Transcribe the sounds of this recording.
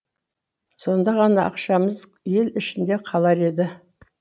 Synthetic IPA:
so̞nd̪ɑʁɑnɑʔɑ̰qʃɑməz | je̞lɪʃɪnd̪e̞qʰɑlˠɑɾe̞d̪ɪ

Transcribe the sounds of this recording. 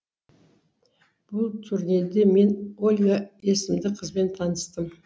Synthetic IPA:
b̥ʊlˠt̪ʲʰʏɾne̞d̪e̞me̞nolʲɡae̞sɪmd̪ɪqʰəzbe̞nt̪ʰɑnəst̪əm

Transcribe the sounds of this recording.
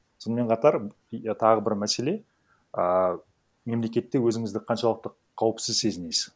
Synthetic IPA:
so̞nəme̞ɴqʰɑt̪ɑɾ | t̪ʰɑʁəbɪɾmæse̞le̞ | ə | me̞mle̞kʲe̞t̪ːe̞wɵzɪŋɪzd̪ɪqʰɑnʃɑlˠəq̚t̪ə | qʰɑwəpsɪzse̞zɪnesɪ

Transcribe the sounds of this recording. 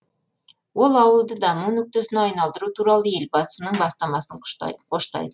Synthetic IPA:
wo̞lˠɑwəlˠd̪əd̪ɑmunːɵk̚t̪esɪnɑjnɑlˠd̪əɾut̪ʰuɾɑlˠəje̞lbɑəsənəɴbɑst̪ɑmɑsəɴ̰qʰo̞ʃt̪ɑ̰jd̪ə

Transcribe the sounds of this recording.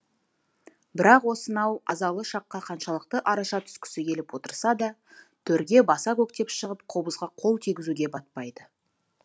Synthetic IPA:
bɪɾɑqwo̞sənɑwɑzɑlˠəʃɑqːɑqʰɑnʃɑlˠəq̚t̪əʔɑɾɑʃɑt̪ʰʏ̥skʲɪ̥sɪkʲʰe̞lɪpwo̞t̪əɾsɑd̪ɑt̪ʰɵɾɡʲe̞bɑsɑkɵkt̪e̞pʃəʁəp̚qʰo̞bəzʁɑqʰo̞lˠt̪ʰijɡʲɪzuɡʲe̞bɑt̪̚pɑjd̪ə

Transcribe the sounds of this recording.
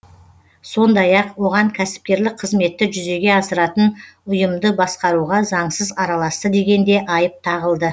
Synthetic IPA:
so̞nd̪ɑjɑqwo̞ʁɑŋkʲʰæsɪ̥p̚kʲe̞ɾlɪk̚qʰəzme̞t̪ːɪʒʏze̞ɡʲe̞ɑsəɾɑt̪ənʊjəmd̪əbɑsqɑɾuʁɑzɑɴsəzɑɾɑlˠɑst̪əd̪e̞ɡʲe̞nd̪e̞ʔɑjəp̚t̪ʰɑʁəlˠd̪ə

